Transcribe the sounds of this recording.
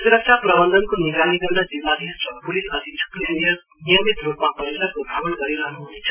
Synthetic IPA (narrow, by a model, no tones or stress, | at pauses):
suɾʌk̚sʰaprʌbʌnd̪ʱʌnkoniɡɾaniɡʌɾnad͡ziwnad̪ʱiɦʌst͡sʰʌpulisʌt̪it͡sʰu̥knnijʌ | nijʌmit̪rupmapʌɾilaɡubʱabʌnɡʌɾiɾʌɦnuɦunit͡sʰʌ